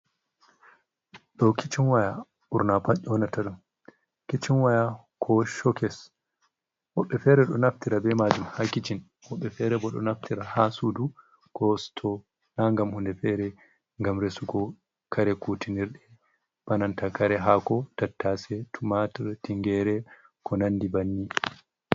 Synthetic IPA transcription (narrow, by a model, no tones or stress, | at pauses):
ɗɔkʰit͡ʃinwaja | ʔuɾnapaʄɔnataɗum | kit͡ʃinwaja | kʰɔʃɔkɛs | wɔɓːɛfɛɾɛɗɔnaftiɾabɛmad͡ʒumhakit͡ʃin | hɔɓːɛfɛɾɛbɔɗɔ̰naftʰiɾahasudu | kɔstʰɔ | naŋɡamhundɛfɛɾɛ | ŋɡamɾesuɡɔ | kʰaɾɛkutʰiniɾɗɛ | banantakaɾɛɦakɔtatːasɛtʰumatiɾtiŋɡɛɾɛ | kʰɔnanːdibanːi